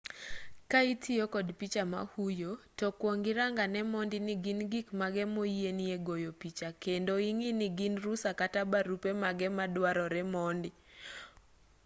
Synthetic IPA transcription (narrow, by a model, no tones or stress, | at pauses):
kaitʰiokɔdpit͡ʃama̰hujotɔkwoŋɡɪɾaŋɡanɛmɔndɪniɡinɡikmaɡɛmojenieɡojopit͡ʃakendoiŋiniɡinrusakatabaɾupemaɡɛmadwaɾɔɾɛmɔndɪ